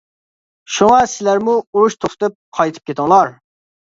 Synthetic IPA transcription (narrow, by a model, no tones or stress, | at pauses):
ʃuŋɑsɪlæɾmuuɾuʃt̪ʰoχt̪ɨp̚qʰɑjt̪ʰɨ̥p̚kʲʰet̪ʰɨŋlˠɑɾ